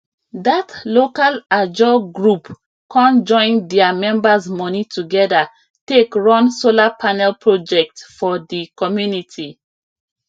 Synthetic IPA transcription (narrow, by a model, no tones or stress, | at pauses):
datlokalad͡ʒɔɡɹup | kɔ̃nd͡ʒɔ̃ɪ̃ndɛamɛ̃mbazmɔnitʰuɡɛda | tekɹɔ̃nsolapʰanɛlpʰɹod͡ʒɛk̚tfɔdikɔmjunitʰi